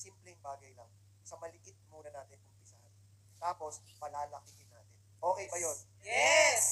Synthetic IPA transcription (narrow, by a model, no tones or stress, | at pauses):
siːmplɛŋbaːɡɐjlɐŋ | sɐmɐlɪʔɪt̪̚muːnɐnaːt̪ɪnʊmpɪsɐhan | t̪aːpo̞s | pɐlaːlɐkɪhɪna̰ːt̪ɪnʔo̞ːkɛjbɐjo̞n | jɛs